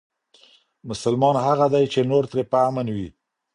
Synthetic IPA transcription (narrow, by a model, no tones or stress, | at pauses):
mʊsalmɑnhaɣad̪ajt͡ʃenoɾt̪ɾepəamanwi